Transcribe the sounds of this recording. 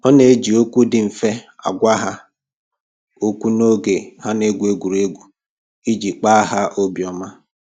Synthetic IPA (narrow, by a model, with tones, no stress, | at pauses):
ɔ˦ne˨e˦d͡ʒi˨o˦kʷu˦dɪ˨ɱ̩˨fe˦a̰˨ɡʷa˦ɦa˦ | o˦kʷu˦no˦ɡe˨ha˦ne˦ɡʷu˨e˦ɡʷu˨ɾe˦ɡʷu˨ | i˦d͡ʒi˨k͡pa˦a˦ɦa˦ʔo˦bjɔ˨ma˦